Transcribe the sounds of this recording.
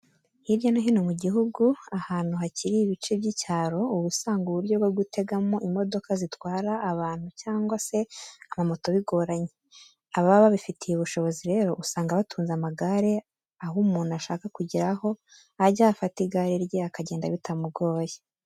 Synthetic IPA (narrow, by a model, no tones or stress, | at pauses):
hiɾjonaɦinomuɟiɦuɡuahaːn̥huɦaciɾiːβit͡ʃe̞bɟicaːɾo̞uβusaːŋɡuβuɾɟo̞βɡwoɡute̞ɡamoʔimo̞do̞kazitwaːɾaʔːβaːn̥hucaːŋɡwase̞amamo̞to̞βiɡo̞ɾaɲe | aβaβaβifitʰijuβuʃo̞βo̞ziɾe̞ːɾo̞ʔusaːŋɡaβatʰuːnzamaɡaɾe̞ | aɦumuːnuaʃaːkakuɟiɾaho̞ | aɾɟaːfatiɡaɾiɾjeakaɟe̞ːnda̰βitamuɡo̞ːje